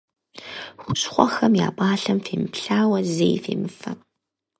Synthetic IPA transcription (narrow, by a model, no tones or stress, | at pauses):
xʷʊɕχʷɔxɐmja̰ːpʼaːɬɐmfeːmɨpɬaːwɐzejfḛːmɨfɐ̰